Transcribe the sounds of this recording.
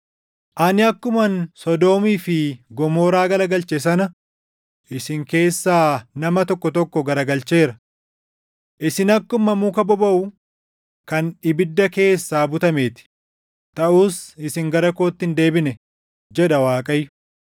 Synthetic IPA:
ʔɐnɪɐkːʊmɐnsɔd̪o̞ːmiːfɪɡɔmoːɾaːɡɐlɐɡɐlt͡ʃes̬ɐnɐ | ʔɪsɪŋke̞ːsːaːnɐmɐt̪ɔkːɔt̪ɔkːɔɡɐɾɐɡɐlt͡ʃe̞ːɾɐ | ʔɪsɪnɐkːʊmɐmuːkɐbɔbɐʔʊ | kɐnɪbɪd̪ːɐke̞ːsːaːbʊt̪ɐme̞ːt̪ɪ̥ | t̪ɐʔuːsɪsɪŋɡɐɾɐko̞ːt̪ːɪnd̪e̞ːbɪnɛ | d͡ʒɛᶑɐwaːkʼɐjːʊ̥

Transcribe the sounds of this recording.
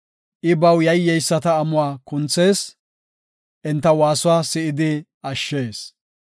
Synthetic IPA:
ʔɪbɐwjɐjːɛjsːɐt̪ɐːmʊwaːkʊnt͡sːe̞ːs | ʔɛnt̪ːɐwaːsʊwaːsɪʔɪd̪ɪ | ɐʃːe̞ːs

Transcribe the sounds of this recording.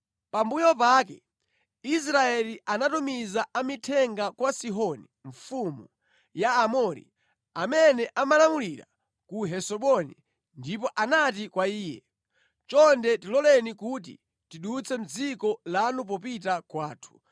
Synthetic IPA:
pambujɔpaːkɛ | is̬ɾaɛliʔanatumizaʔamitʰɛŋɡakwasiɦɔniɱfumu | jaːmɔɾḭ | amɛnɛʔamalamuliɾa̰ | kuɦɛsɔɓɔnḭ | ndipɔʔanatikwaiːjɛ̰ | t͡ʃɔndɛtilɔlɛnikut̬ḭ | tiɗut͡sʰɛm̩d͡zikɔlanup̬ɔpitakwaːtʰu̥

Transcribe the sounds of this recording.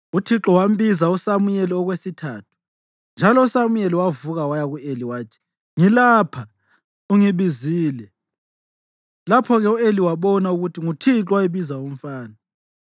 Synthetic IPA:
utʰiǁɔwam̩bizausamujɛlɛɔɣwesitʰaːtʰu̥ | nd͡ʒʱalɔusamujɛlɛwavuɣawajaɣueliwaːtʰi̥ | ŋilaːpʰa | uŋiβiziːlɛ | lapʰɔɣɛueliwaβɔnauɣutʰiŋutʰiǁwajiβizaom̩faːna

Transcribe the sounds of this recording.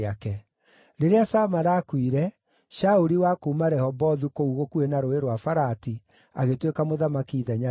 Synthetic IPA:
akɛ | ɾeɾeasamaɾaːkwiɾɛ | ʃaoɾiwakoumaɾɛhɔbɔðukouɣokuenaɾoeɾwafaɾati | aɣetwekamoðamakiːðaɲa

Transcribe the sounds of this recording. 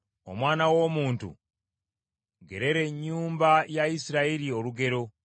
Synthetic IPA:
o̞̰mwaːnawo̞ːmuːntṵ | ɡe̞ɾe̞ɾe̞ɲːuːmbajaisiɾaiɾio̞luɡe̞ɾo̞

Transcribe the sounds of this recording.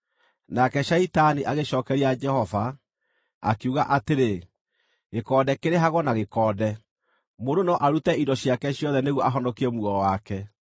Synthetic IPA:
nakɛɕaitaniʔaɣeʃɔːkɛɾiad͡ʒɛhɔva | a̰kiuɣaʔateɾe | ɣekɔːdɛkeɾeɦaɣwɔnaɣekɔːdɛ | mondonɔʔaɾutɛindɔɕiakɛɕjɔðɛneɣwɔʔaɦɔnɔkiɾɛmuɔɾɔwakɛ

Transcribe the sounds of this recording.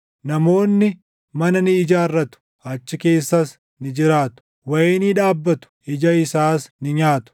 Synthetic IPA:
nɐmo̞ːnːɪ | mɐnɐnɪːd͡ʒaːrːɐt̪ʊ̥ | ɐt͡ʃːɪke̞ːsːɐs | nɪd͡ʒɪɾaːt̪ʊ̥ | wɐeːniᶑaːbːɐt̪ʊ̥ɪd͡ʒɐɪsaːsnɪɲaːt̪ʊ̥

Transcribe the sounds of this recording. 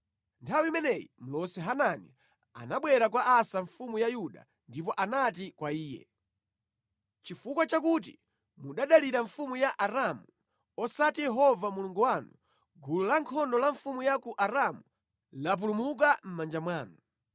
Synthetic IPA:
ntʰawiimɛnɛjḭm̩lɔsɛɦananḭ | a̰naɓwɛɾak̬waʔasaɱfumujajuɗa̰ | ndipɔʔanatikwaiːjɛ̰ | t͡ʃifukwat͡ʃakut̬i | muɗaɗaliɾaɱfumujaʔaɾamu | ɔsatijɛɦɔvamuluŋɡuwanu | ɡululaŋkʰɔndɔlaɱfumujakuʔaɾamu | lap̬ulumuk̬am̩mand͡ʒamwaːnu

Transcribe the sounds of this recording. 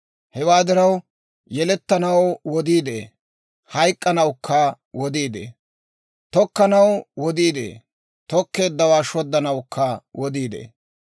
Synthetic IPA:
hɛwaːd̪ɪɾɐw | jɛlɛt̪ːɐnɐwwɔd̪iːd̪ḛː | hɐjkʼːɐnɐwkʰːɐ | wɔd̪iːd̪ḛː | t̪ɔkːɐnɐwwɔd̪iːd̪ḛː | t̪ɔkːe̞ːd̪ːɐwaːʃɔd̪ːɐnɐwkʰːɐwɔd̪iːd̪ḛː

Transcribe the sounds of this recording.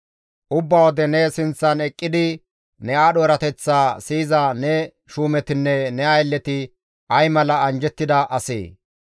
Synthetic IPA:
ʔʊbːɐwɔd̪ɛnɛsɪnt͡sːɐnɛkʼːɪd̪ɪ | nɛaːɗoːɾɐt̪ɛt͡sːaːsiːzɐnɛ | ʃuːmɛt̪ɪnːɛnɛɐjlːɛt̪ɪ | ɐjmɐlɐɐnd͡ʒɛt̪ːɪd̪ɐʔɐsḛː

